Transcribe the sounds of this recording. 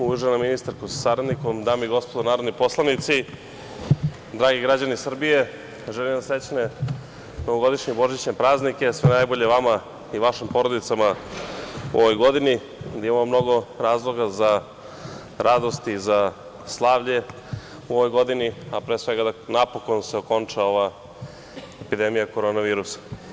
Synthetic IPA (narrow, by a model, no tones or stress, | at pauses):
uuʒenaminist̪aɾkusḁsaɾad̪niko̞md̪aːmoiɡo̞spod̪onaːɾod̪nipo̞slˠanit̪si | d̪ɾaːɡiɡɾad͡ʑanisr̩bije̞ | ʒelimd̪aset͡ɕne | noʋoɡo̞d̪iʃɲebo̞ʒit͡ɕɲepɾaːznike̞sʋenajboʎeʋama | iʋaʃimpo̞ɾo̞d̪it̪sama | ṵʔoʋojɡo̞d̪ini | d̪aimamomno̞ɡo̞ɾaːzlˠo̞ɡaza | ɾad̪o̞st̪iːza | slˠaːʋʎe̞ | uo̞ʋojɡo̞d̪iniapɾeːsʋe̞ɡad̪anapo̞ko̞nseo̞ko̞nt͡ʂao̞ʋa | epid̪e̞mijako̞ɾonaʋiːɾusḁ